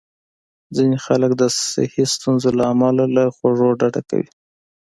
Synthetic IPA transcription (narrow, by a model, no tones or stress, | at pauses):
d͡zinexaləkd̪əsɪ̰hist̪unzolaːmɑlalaxoʐoɖaɖaka̰wḭ